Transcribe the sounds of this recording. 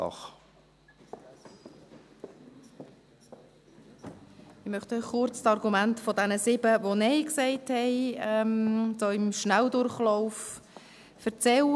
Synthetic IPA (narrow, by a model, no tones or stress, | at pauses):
ɑ̰χ | ɪmœχtœʏχχʊɾt͡ssɑɾɡumæntfɔdɛnəsɪbəvonɛɪksɛɪthɛɪɛmt͡soɪmʃnældʊɾχlɔʊf | fəɾt͡sɛl